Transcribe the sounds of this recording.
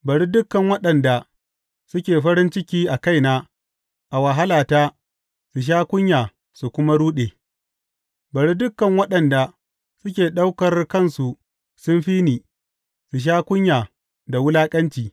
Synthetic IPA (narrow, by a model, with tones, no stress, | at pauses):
bɐ˨ɽi˦dʊ˦kːɐ˨ŋwɐ˦ɗɐ˨nda˨ | sʊ˦kʲeː˨ɸɐ˦ɾɪ˦nt͡ʃɪ˦kʲiː˦ʔa˨ka˦jnaː˦ | ʔa˨wɐ˨ɦa˦laː˨taː˦ | su˨ʃ̬aː˦kʷʊ˦ɲjaː˨ | su˨kʷʊ˦ma˦ɽuː˦ɗeː˨ | bɐ˨ɽi˦dʊ˦kːɐ˨ŋwɐ˦ɗɐ˨nda˨ | sʊ˦kʲeː˨ɗa˦wkɐ˨rkɐ˦˨nsu˨ | sʊ˦nɸiː˦niː˨ | su˨ʃ̬aː˦kʷʊ˦ɲjaː˨ | da˨wʊ˦laː˦kʼɐ˦nt͡ʃiː˨